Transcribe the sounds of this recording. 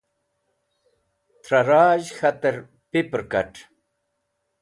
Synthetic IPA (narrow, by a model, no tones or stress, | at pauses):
t̪ʰɾɐɾaːʑxɐt̪ɐɾ | pipɾkɐ̰ʈ